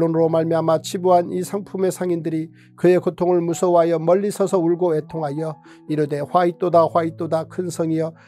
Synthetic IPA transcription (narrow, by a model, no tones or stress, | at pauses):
onɯɾomaɭmjamat͡ɕʰibuɦanisʰaŋpʰume̞sʰaŋindɯɾi | kɯe̞kotʰoŋɯɭmusʰʌwɦajʌmʌʎːisʰʌsʰʌuɭɡoetʰoŋɦajʌ | iɾude̞ɸwait͈odaɸwait͈odakʰɯnsʰʌŋijʌ